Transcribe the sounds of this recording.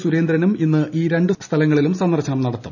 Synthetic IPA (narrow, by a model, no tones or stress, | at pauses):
suɾe̞ːnd̪ɾɐnuminːɨʔiːɾeɳɖɨst̪ʰɐlɐŋːɐɭilumsɐnd̪ɐrɕɐɳɐmnɐɽɐt̪ːum